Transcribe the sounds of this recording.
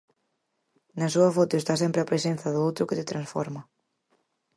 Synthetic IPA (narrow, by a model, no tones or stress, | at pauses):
nɐsuɐfot̪ʊest̪as̬empɾɪɐpɾesenθɐðowt̪ɾʊkɪt̪ɪt̪ɾɐnsfɔ̰ɾmɐ